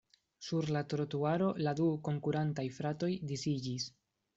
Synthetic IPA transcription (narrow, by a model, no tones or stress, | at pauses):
suɾlatɾotuaɾo̞laduko̞ŋkuɾantajfɾato̞jdisid͡ʒis